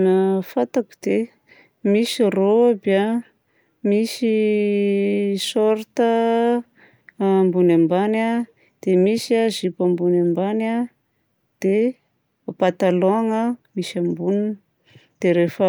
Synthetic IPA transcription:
mafat̪aku̥d̪̥e | misroabia | misi | soɾt̪ə | mbunambana | d̪̥emisiazipambunambana | d̪̥e | pat̪aloŋəmisambunin | d̪̥eɾefə

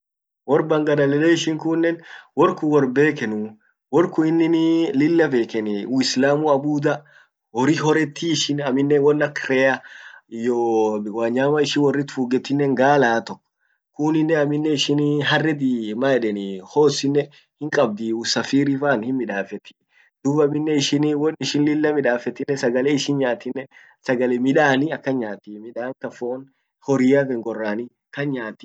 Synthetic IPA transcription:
wɔɾbɐŋɡɐnɐlɛleːɪʃɪŋkunːɛnwɔɾkʊwɔɾbeːkɛnu | wɔɾkʊɪnːɪnlɪlːɐbe̞ːkɛnuɪslaːmuɐbuːd̪ɐ | wɔɾɪɦɔɾɛt̪ʰːiɪʃɪnɐmɪnːɛwɔnːɐkɾɛjajoːwaːɲːaːmɐɪʃɪwɔrːɪt̪fuːɡɛt̪ːɪnːɛŋɡaːlaːt̪ɔkː | kʊnɪnːɛɐmɪnːɛɪʃɪnɦɐrːɛd̪iːmaːɛᶑɛniho̞ːsɪnːɛ | hɪŋkʼɐb̚d̪iːusɐfiːɾifaːnhɪnmɪᶑaːfɛt̪ːɪ̥ | d̪̥uːbɐmɪnːɛɪʃɪnwɔnɪʃɪnlɪlːɐmɪᶑaːfɛt̪ːɪnːɛsɐɡɐleːɪʃɪnɲaːt̪ːɪnːɛ | sɐɡɐlɛmɪᶑaːnɪɐkːɐɲaːt̪ːimɪᶑaːŋkɐfoːn | hɔɾɪjakɛŋɡɔrːaːnɪ | kɐnɲaːt̪ːɪ̥

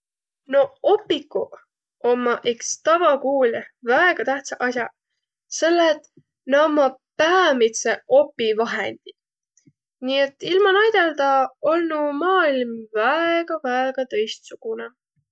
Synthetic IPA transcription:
no̞opːikːu | ʔomːɑʔekst̪ɑvɑkuːlʲvæeɡ̥ɑt̪æht̪sɑʔɑsʲjɑ | se̞lːet̪ | nɑmɑpæːmit̪seʔo̞pːˑivɑɦḛnd̪̥i | niːet̪ːˑilmɑnɑjd̪̥e̞ld̪ɑolnumɑːilmvæeɡ̥ɑvæeɡ̥ɑt̪ɤ̞jst̪suɡ̥une

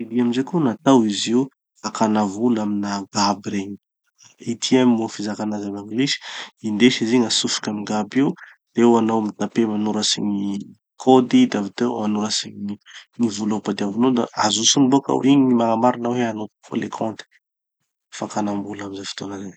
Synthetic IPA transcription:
id̪iaminzekunat̪awiziw | fakanavulaminaɡabɾeɲi̥ | it̪ʰiamimofizakanazamaŋɡliʃi̥ind̪eʃiziŋasufi̥kʲamiɡabiu | d̪̥eewanawmit̪apemanuɾasḭɲi | kʰod̪id̪avit̪emanuɾasiɲiŋivulapad̪iavunod̪aazusuniboka̰wṵɾiɲiɲimaŋamaɾinaweanofo̰lekʰɔ̃nt̪i̥ | fakanambulamizafi̥t̪onaze

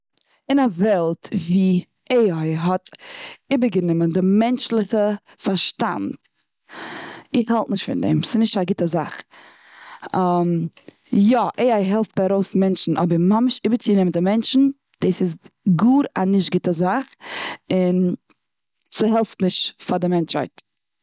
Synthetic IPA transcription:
ɪnavɛlˠtviː | ʔeɪaɪɦɔtɪbəɾɡənɪməndɪmɛnt͡ʃlˠɪχə | faɾʃta̰nt | ɪχhalˠtnɪʃtfɪ̰ndɛ̰msɪnɪʃtaɡɪtəza̰χ | am | jɔʔeɪaɪɦɛlˠftaɾoʊsmɛnt͡ʃn̩ʔɔbəɾmamɪʃɪbəɾt͡sɪnɪməndɪmɛnt͡ʃn̩ | d̥eːsɪsɡuːɾa̰nɪʃtɡɪtəzaχɪn | sɪɦɛlˠftnɪʃtfadɪmɛnt͡ʃha̰ɪt

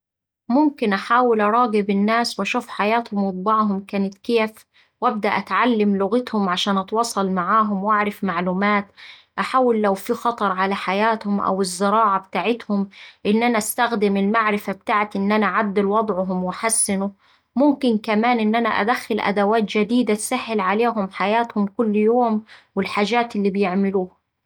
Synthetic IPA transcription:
mʊmkɪnʔaħaːwɪlʔɑɾˤɑːɡɪbɪnːaːswʔaʃuːfħajaːt̪hʊmwɑt̪̚ˤbɑʕɦʊmkaːnɪt̪keːf | wʔab̚d̪aʔat̪ʕalːɪmlʊɣɪt̪hʊmʕaʃaːnʔɑt̪wɑːsˤɑlmaʕaːɦʊmwʔaʕɾˤɪfmaʕluːmaːt̪ʔaħaːwɪlːawfixɑt̪ˤɑɾˤʕalaħajaːt̪hʊmʔa̰wɪzːɪɾɑːʕabɪt̪aːʕɪt̪hʊmʔɪnːʔanaʔast̪axd̪ɪmɪlmaʕɾɪfabt̪aːʕɪt̪ʔɪnːʔanaʕad̪ːɪlwɑd̪ˤʕʊɦʊmwɪħasːɪnʊ | mʊmkɪnkamaːnʔɪnːʔana̰ʔa̰d̪axːɪlʔa̰d̪awaːt̪d͡ʒad̪iːd̪asaħːɪlʕaleːɦʊmħajaːt̪hʊmkʊlːjoːmwɪlħaːʒaːt̪ʔɪlːiːbɪjɪʕmɪluːh

